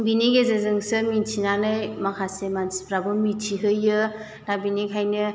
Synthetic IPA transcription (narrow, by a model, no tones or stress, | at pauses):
bineɡezɯzɯŋsɯmintʰinanɯjmakʰasemansi̥pɾabɯmitʰiɦɯjːɯ | dabinekʰajnɯ